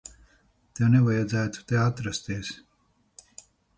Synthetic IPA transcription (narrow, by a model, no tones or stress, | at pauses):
t̪ewneʋajad͡zæːt̪u̥t̪eat̪ɾɐst̪eːs